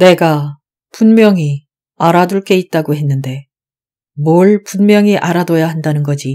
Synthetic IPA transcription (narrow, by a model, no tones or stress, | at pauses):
ne̞ɡa | punmjʌŋi | aɾaduɭk͈e̞it̚t͈aɡoɦe̞nːɯnde̞ | mʌɭpunmjʌŋiʔaɾadojaɦandanɯnɡʌd͡ʑi